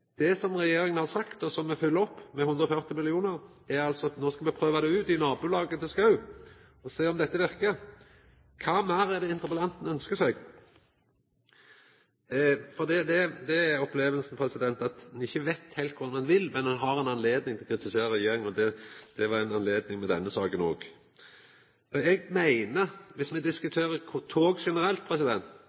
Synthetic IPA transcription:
d̪̥ɛsɔmʁɛjeːɾɪŋənhɑʁsɑkt̪ɔsɔmːɛfʉlːəɔpːmɛhʉnd̪ɾɔfœʁt̪ɪmɪlɪuːnəɾ | æɾɑlsɔɑt̪noːskɑlmɛpʰɾøːʋɑd̪ɛʉːt̪ɪnɑːbʉːlɑːɡət̪ʰɪlskɑʉ | ɔseːɔmd̪ɛt̪ːəʋɪɾkə | kʰɑːmæːɾæd̪ɛɪnt̪əɾpəlɛnt̪n̩œnskəsɛɡ | fɔd̪id̪ɛd̪ɛæɾɔpleːʋəlsn̩pʰɾɛsɪd̪ɛnt̪ɑt̪nɪçːəʋæɪt̪hɛɪlt̪kʰʊɾd̪ɑnɑnʋɪlmɛnɑnɦɑɾɛnɑnleːd̪nɪŋt̪ʰɪlkʰɾɪt̪ɪseːɾəɾɛjeːɾɪŋɔd̪ɛd̪̥ɛʋɑɾɛnɑnleːd̪nɪŋmɛd̪ɛnːəsɑːkənoːɡ | ɔɛɡmæɪnəʋɪsmɛd̪ɪskʉt̪ʰeːɾəkʰʊt̪ʰoːɡʂɛnəɾɛlt̪̚pʰɾɛsɪd̪ɛnt̪

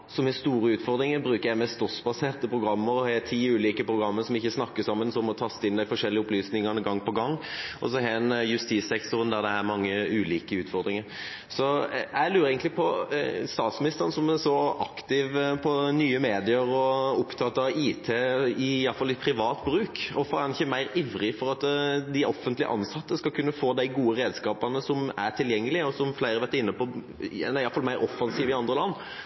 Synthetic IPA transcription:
sɔmɛst̪uːɾəʉːt̪fɔʁd̪ɾɪŋəbɾʉːkəjæɪmɛst̪ɔsbɑseːʁt̪əpʰʁʊɡɾɑmːəɾɔhɛt̪ʰiːʉːliːkəpʰɾʊɡɾɑmːəsɔmɪçːəsnɑkːəsɑmːənsɔmɔt̪ʰɑst̪ːɪnd̪æɪfɔʂɛlːɪəʊplyːsnɪŋənəɡɑŋːpɔɡɑŋːʔɔs̬ɔɦɛnjʉst̪iːsɛkt̪ʊʁənd̪æʁd̪ɛæʁmɑŋːəʉːliːkəʉːt̪fɔʁd̪ɾɪŋəɾ | sɔæɪlyːɾəɛɪɡənɪpʰɔst̪ɑːt̪smɪnɪst̪əʁənəsɔmɛsɔɑkt̪ɪʋpʰɔnyːəmeːd̪ɪəɾɔʊpt̪ʰɑt̪ːɑiːt̪ʰeːɪjɑlfɑlːɪpʰɾɪʋɑːt̪bɾʉːkɔfɔænɪçːəmæɪɾɪʋɾɪfɔɾɑt̪d̪ɪʔɔfənt̪lɪə̰ʔɑ̰nsɑt̪ːəskɑlkʰʉnːəfoːd̪æɪɡuːəɾeːd̪skɑːpɑnəsɔmætʈ̪ʰɪljɛŋːəlɪəɔsɔmflæɪɾəʋæʁt̪əɪnːəpɔ | næɪɑlfɑlmæɪɾʔɔfːɑnsiːʋɪɑnd̪ɾəlɑnː

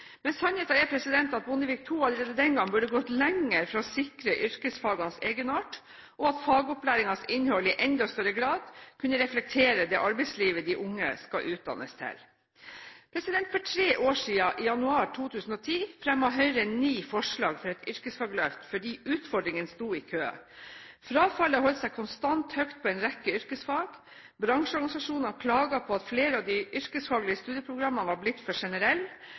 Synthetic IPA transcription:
mɛnsɑnheːt̪ɑɛpʰɾɛsɪd̪ɛnt̪ɑt̪̚bʊnəʋɪk̚t̪ʰuːɑləɾeːd̪əd̪ɛnɡɑŋːbʉɖəɡɔt̪lɛŋəɾfɾɑsɪkɾəʔʏɾkəsfɑːɡɑnseːɡənɑːʈ | ʔɔɑt̪fɑːɡʊplæːɾɪŋɑnsɪnhɔlɪʔɛnd̪ɔst̪œɾəɡɾɑːd̪kʰʉnːəɾɛflɛk̚t̪ʰeːɾəd̪ɛʔɑɾbɛɪsliːʋəd̪ɪʔʊŋːə̰skɑʔʉːt̪̚d̪ɑ̰nːə̰st̪ʰɛ̰l | pʰɾɛsɪd̪ɛnt̪fɔʈʰɾeːʔoːʂiːɑʔɪjɑnʉɑːɾʈʰuːt̪ʰʉːsn̩ɔt̪ʰiːfɾɛmɑɦœʏɾəɛniːfɔʂɭɑːɡfɔɾɛt̪ʏɾkəsfɑːɡlœft̪fɔɖiːʔʉːt̪fɔɖɾɪŋənst̪uːɪkʰøː | fɾɑːfɑlːəɦɔlt̪sɛɪkʰʊnst̪ɑnt̪hœkt̪̚pʰɔɛnɾɛkːəʏɾkəsfɑːɡ̥ | bɾɑŋʂɔɾɡɑnɪsɑʂuːnɑnkʰlɑːɡɑpʰɔɑt̪fleːɾəɑʋd̪ɪʔʏɾkəsfɑːɡlɪəst̪ʉːd̪jəpʰɾʊɡɾɑmːɑnəʋɑblɪt̪ːfɔʂɛnəɾɛlː

